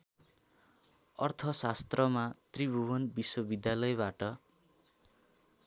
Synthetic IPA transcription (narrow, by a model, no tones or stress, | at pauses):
ʌrt̪ʰʌsast̪rʌmat̪ribʱuwʌnbiswʌbid̪jalʌjbaʈʌ